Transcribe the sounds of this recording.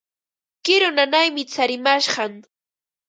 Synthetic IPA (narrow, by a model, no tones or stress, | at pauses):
kɪɾonanajmɪt͡saɾɪmaʃɢɑŋ